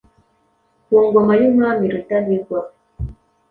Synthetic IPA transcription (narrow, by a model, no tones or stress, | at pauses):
kuɔŋɡɔmajumamiɾitaɗikwa